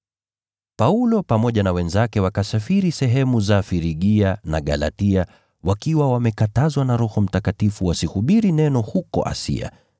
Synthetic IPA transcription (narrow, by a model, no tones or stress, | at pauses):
paulɔpamɔʄanawɛnzakɛwakasafiɾisɛɦɛmuzafiɾiɠianaɠa̰la̰tia | wakiwawamɛkatazwanaɾɔhɔm̩takatifuwasihuɓiɾinɛnɔhukɔ̰ʔa̰sḭa̰